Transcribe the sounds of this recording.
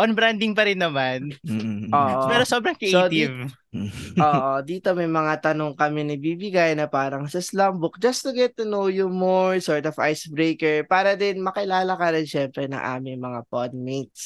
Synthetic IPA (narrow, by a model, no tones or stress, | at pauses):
ʔɔnbɾand̪ɪŋpɐɾɪnːɐmanʔoːʔpɛːɾosobɾɐŋkɪʔ̪ɪv | ʔoːʔd̪iːt̪o̞mɐjmɐŋat̪ɐnoŋkɐmɛnɐbiːbɪɡajnɐpaːɾɐŋsɐslɐmbʊk̚d͡ʒɐst̪ʊɡɛt̪ːunowjʊmoɹsɔɹt̪ɔfʔa̰jsbɾejkɛɹpaːɾɐd̪ɪnmɐkɪlaːlɐkɐɾɪnʃɛmpɾɛnɐ̰ŋʔa̰ːmɪŋmɐŋapod̪̚mejt̪̚s